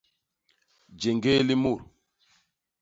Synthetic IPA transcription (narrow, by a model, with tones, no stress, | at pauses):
d͡ʒe˨ŋɡe˦li˦mu˦˨ɾ